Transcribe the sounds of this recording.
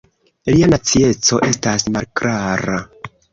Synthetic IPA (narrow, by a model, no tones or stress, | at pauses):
lianat͡sie̞t͡so̞ʔe̞stasmalkɾaɾa